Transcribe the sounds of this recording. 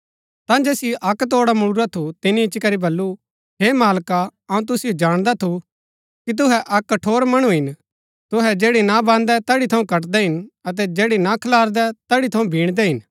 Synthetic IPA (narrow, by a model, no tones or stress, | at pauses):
t̪ãd͡ʒeːsiʔɐkt̪oːɽamʊɽʊɾat̪ʰut̪ɪniɪt͡ʃkɐɾibɐlːu | ɦeːmaːlkaɐũt̪̬ʊsɪjod͡ʒaːɽ̃d̪at̪ʰu | kit̪̬ʊɦɛʔɐkːɐʈʰoːɾmɐɽ̃uɦɪn | t̪ʊɦɛd͡ʒeːɽinabãːnd̪ɛt̪ɐɽit̪ʰɐũkɐʈd̪ɛɦɪnɐt̪̬ɛd͡ʒeːɽinakʰɐlaːɾd̪ɛt̪ɐɽit̪ʰɐũbʱiːɽ̃d̪ɛɦɪn